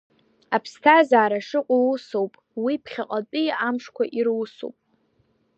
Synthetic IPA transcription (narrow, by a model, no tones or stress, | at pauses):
apʰstʰazaːɾaʂɨqʷʼalusowpʼ | wipʰχʲaqʼat͡pʼijamʂkʷaʔirwso̰wpʼ